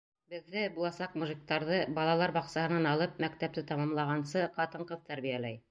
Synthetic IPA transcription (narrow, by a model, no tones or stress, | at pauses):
bɘ̆ðːɘbulˠɑsɑqmuʒik̚t̪ɑɾðɤbɑlˠɑlˠɑɾbɑqsɑhɤ̆nɑnɑlˠɤp̚mækt̪æp̚t̪ɘt̪ɑmɑmlˠɑʁɑnsɤqɑt̪ɤ̆ɴqɤðt̪æɾβijælæj